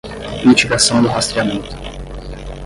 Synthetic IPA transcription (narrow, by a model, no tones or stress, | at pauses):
mit͡ʃiɡasɐ̃w̃d̪ʊɦast̪ɾiamẽnt̪ʊ̥